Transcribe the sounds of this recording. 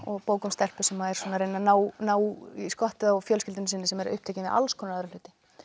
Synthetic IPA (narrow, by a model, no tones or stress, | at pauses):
ɔɣpoːwkʏmst̪ɛl̥pʏsɛmːaɛɾ̥sɔːnaɾejnːanaːwnaːwiskɔht̪ʏaɔfjœːlscɪlt̪ʏnsɪnːɪsɛmɛɾʏ̰hp̚t̪ʰeːjcɪnɪða̰lskʰɔnaðɾalʏːt̪ɪ̥